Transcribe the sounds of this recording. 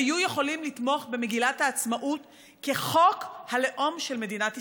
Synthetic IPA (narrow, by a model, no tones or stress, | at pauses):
ajuje̞χo̞limlit̪mo̞χbe̞meɡilathaːt͡smaʔut | ke̞χokhale̞ʔo̞mʃe̞lme̞d̪inati